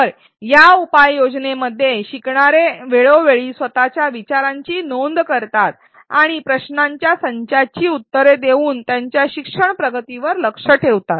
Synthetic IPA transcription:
əɾ | jaupajːod͡ʑneməd̪ʱːjeɕikɳaɾeʋeɭoʋeɭiːsʋət̪at͡ɕjaʋit͡ɕaɾãɲt͡ɕiːnond̪kəɾt̪at̪̚ | aɽ̃ipɾəɕnaɲt͡ɕjasəɲt͡ɕat͡ɕiːut̪ːəɾed̪eʋuːnt̪jaɲt͡ɕjaɕikʂəɳpɾəɡət̪iʋəɾləkʂəʈʰeʋt̪at̪̚

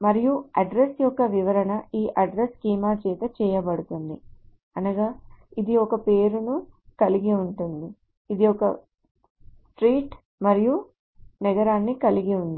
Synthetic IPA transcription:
mɐɾijuɐɖɾesjɔkːɐʋiʋɐɾɐnɐʔiːʔɐɖɾeskiːmaːt͡ʃɛːt̪ɐt͡ʃɛːjɐbɐɽut̪und̪i | ɐnɐɡaːid̪iɔkɐpeːɾunukɐliɡiuɳʈund̪iː | d̪iɔkɐ | sʈɾiːʈ | mɐɾiju | nɛɡɐɾaːnːikɐliɡiund̪i

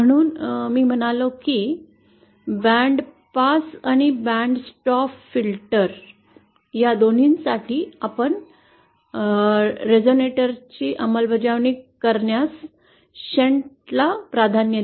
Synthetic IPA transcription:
məɽ̃uːnmiːm̤ənalokiː | bæ̃ɳɖ | pasaɽ̃ibæɳɖsʈɔffilʈəɾ | jad̪on̤iːnsaʈiːapəɳ | ɾed͡zoneʈəɾt͡ɕiːʔəməlbəd͡ʑaʋɳikkəɾɳjas | ɕeɳʈ | lapɾad̪ʱanjə

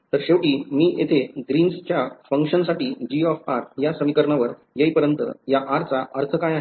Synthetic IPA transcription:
t̪əɾɕeʋwʈiːmiːjet̪ʰeɡɾiːnst͡ɕjafəŋkʂənsaʈiːd͡ʑiɔfaɾjasəmikəɾɳaʋəɾ | jəjpəɾjənt̪ə̰jaʔaɾt͡saʔəɾt̪ʰəkajaɦ

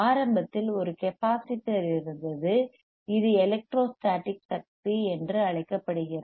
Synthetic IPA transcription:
aːɾɐmbɐt̪ːɪlɔɾɯkɛpaːsɪʈːɐɾɪɾɯnd̪ɐðɯ | ɪðɯɛlɛk̚ʈɾoːsʈaːʈːɪksɐk̚t̪iɛndrɯɐɭɐɪkːɐpːɐɽɯɣɪrɐ

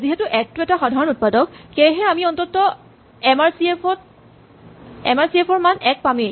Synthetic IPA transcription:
ziɦetʊʔɛtːʊɛtaxɔdʱaɹɔnut̚padɔkkejɦɛamiɔntɔtɔ | ɛmaɹsiepɔt̚ | ɛ̰maɹsiepʰɔɹmanɛk̚pami

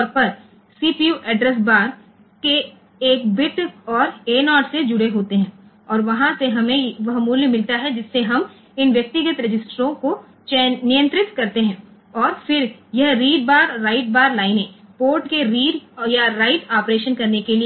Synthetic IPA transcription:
t̪ɔɾpɐɾ | siːpijuːʔɛːɖɾɛs̬baːɾ | keː | k̚bɪʈɔːɾeːnɔːʈsed͡ʒʊɽeɦoːt̪eɦɛ̃ː | ɔːɾʋɐɦãseɦɐmẽʋɐɦmuːljəmɪlt̪aɦɛd͡ʒɪsːeɦɐm | ɪnʋjɐk̚t̪ɪɡət̪ɾɐd͡ʒɪsʈɾõko | t͡ʃɛnɪjə̃nt̪ɾɪt̪kɐɾt̪eɦɛ̃ː | ɔːɾfɪɾjɐɦɾiːɖ̚baːɾːaːɪʈ̚baːɾlaːɪnẽpoːɾʈkeɾiːɖjaɾaːɪʈaːpɾeːʃənkɐɾnekelie

